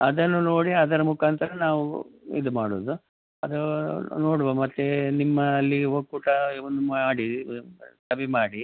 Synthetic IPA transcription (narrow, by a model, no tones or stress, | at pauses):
ɐd̪ɐnːuno̞ːɽiɐd̪ɐɾɐmukaːnt̪ʰɐɾɐnaːʋuḭd̪umaːɽoːd̪u | ɐd̪ɐno̞ːɽuʋɐmɐt̪ːenimːɐːlːiɦoɡ̚kuːʈɐiʋond̪umaaːɽi | t̪ɐbimaːɽi